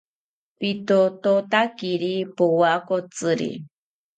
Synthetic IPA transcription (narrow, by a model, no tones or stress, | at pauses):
pit̪ot̪ot̪akiɾipowakot͡sɨɾḭ